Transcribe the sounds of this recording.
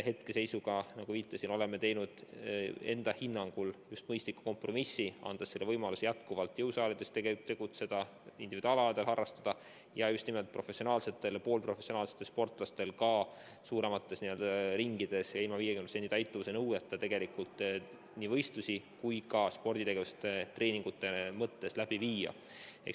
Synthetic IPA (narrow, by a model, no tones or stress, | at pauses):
he̞t̪ke̞se̞jsuɡ̥ɑnɑɡ̥uviːt̪ːˑɑsino̞le̞me̞t̪e̞jnud̪̥e̞nd̪̥ɑhinːɑŋɡ̥uljust̪mɤjst̪likːˑu̥ko̞mpro̞misːiɑ̰nd̪̥ɑsːelːevɤjmɑlusijæt̪kuvɑlt̪ːˑjɤwsɑːled̪̥e̞st̪eɡet̪ːe̞ɡ̥ut̪se̞d̪̥ɑ | ind̪ivid̪̥uɑːlɑːd̪elhɑrːɑst̪ɑd̪̥ɑ | jɑjust̪nime̞lt̪̚pro̞fe̞sio̞nɑːlse̞t̪ːˑe̞lpoːlpro̞fesionɑːlset̪ːˑespo̞rt̪ˑlɑst̪e̞lkɑ | suːɾe̞mɑt̪ːe̞sniø̞ld̪ɑɾiŋɡ̥id̪̥e̞sjɑilmɑviːjekymnsenit̪ɑjt̪ˑːuvusenɤwet̪ːˑɑt̪e̞ɡ̥e̞likult̪ˑ | niːvɤ̞jst̪lusi | kujkɑspo̞rd̪̥it̪e̞ɡe̞vuse̥t̪ːet̪re̞ːniŋɡ̥ut̪ːˑe̞mɤt̪ːe̞slæb̥iviːjɑ̰ | ek